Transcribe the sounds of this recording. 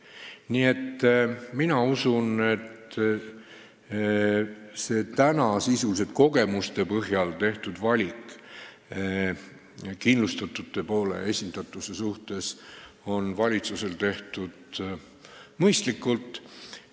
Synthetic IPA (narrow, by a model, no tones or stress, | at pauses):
niːe̞t̪ːminɑusune̞t̪ | se̞ːt̪ænɑsisulise̞t̪̚ko̞ɡ̥e̞must̪e̞pɤɦjɑlt̪e̞ht̪ud̪̥vɑlʲik | kinlust̪ɑt̪ːˑut̪ːˑe̞po̞ːlḛesʲind̪̥ɑt̪ːˑuse̞suht̪e̞s | o̞nvɑlʲit̪suse̞lt̪e̞ht̪ud̪̥ | mɤjst̪likːˑult̪ˑ